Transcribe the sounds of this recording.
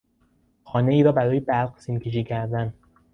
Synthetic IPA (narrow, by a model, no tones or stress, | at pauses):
xɒːne̞iːɾɒːbæɾɒːjebæɾɢsincʰeʃ̬iːcʰæɾd̪æn